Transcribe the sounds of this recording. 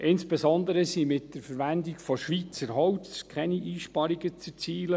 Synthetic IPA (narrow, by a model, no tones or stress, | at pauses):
ʔɪnsb̥ɛzɔnd̪əɾəsimɪtd̥əɾfəɾʋændiɡfɔʃʋiːt͡səɾɦɔwskʰχɛniʔiːʃpɑɾiɡət͡sɛ̥t͡siːlə